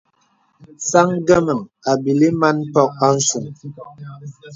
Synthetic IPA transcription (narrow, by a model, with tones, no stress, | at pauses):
sa˦ŋɡə˦mə˨ŋa˨bi˨li˦ma˦n̩˦pɔ˦k̚a˦n̩˦su˨m